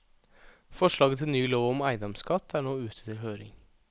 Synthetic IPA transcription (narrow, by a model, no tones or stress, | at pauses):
fɔʂɭɑːɡət̪ʰɪlnyːloːʋɔmæɪd̪ɑmskɑt̪ʰːæːɳoːʉːt̪ʰə̥t̪ʰɪlɦøːɾɪ̰ŋ